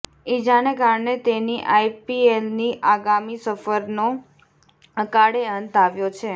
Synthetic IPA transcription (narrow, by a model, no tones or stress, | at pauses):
id͡ʒanekaɾɳet̪eniʔajpielniʔaɡamisəfəɾno | əkaɽeənt̪aʋjot͡ʃʰe